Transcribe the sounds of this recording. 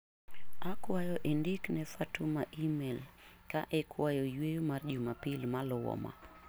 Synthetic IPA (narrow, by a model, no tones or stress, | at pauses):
akwajɔʔendɪknɛfatumaʔimel | kaʔɛkʰwajɔjwejomard͡ʒumapilmalʊwɔ̰ma̰